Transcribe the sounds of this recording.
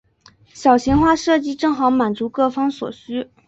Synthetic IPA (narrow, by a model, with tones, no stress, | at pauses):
ɕjɑ˨˩ʊɕi˧˥ŋxwa˥˧ʂɤ˥˩t͡ɕi˥ʈ͡ʂɤ˥˩ŋxɑ˧˥ʊma˨˩nt͡su˧˥kɤ˥˩fɑ˥ŋswɔ̰˨˩ɕy˥